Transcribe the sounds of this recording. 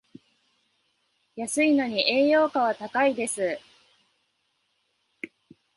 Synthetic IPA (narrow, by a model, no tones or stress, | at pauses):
jasɨino̞ɲ̟iʔe̞ːjo̞ːkaβat̪akaid̪e̞sɨ